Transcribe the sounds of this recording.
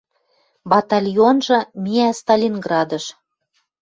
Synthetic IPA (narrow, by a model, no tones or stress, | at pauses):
bɑt̪ɑlʲjonʒɤ̆mʲiæst̪ɑlʲinɡrɑd̪ɤ̆ʃ